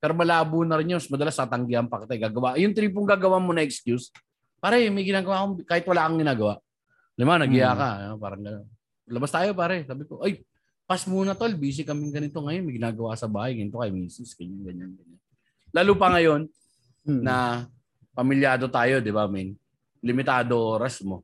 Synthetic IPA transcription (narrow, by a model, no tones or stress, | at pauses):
pɛːɾo̞mɐlaːbuːnɐɾɪnɲomɐsmɐd̪ɐlasɐt̪ɐŋɡɪʔɐŋpɐkɪt̪ajɡaːɡɐwaʔjʊŋt̪ɾiːp̬ʊŋɡaːɡɐwamonɐʔɛkskjus | paːɾɐmɐjɡɪnaːɡɐwaːkoŋkaːhɪt̪̚wɐlaːkɐŋɡɪnaːɡɐwaʔ | lɪmanɐɡɪjaːkɐopaːɾɐŋɡɐnon | lɐbast̪aːjo̞paːɾɐsaːbɪko̞ʔoj | pɐsmuːnɐt̪olbiːs̬ɪkɐmɪŋɡɐnɪt̪o̞ŋɐjonmɐjɡɪnaːɡɐwaksɐbaːhɐjɡɐnɪt̪okɐjmiːsɪsɡ̥ɐɲanɡɐɲanɡɐɲan | laːluːpɐŋɐjo̞nː | ɐ | pɐmɪljaːd̪o̞t̪aːjo̞d̪ɪbamɪn | lɪmɪt̪aːd̪oʔoːɾɐsmo̞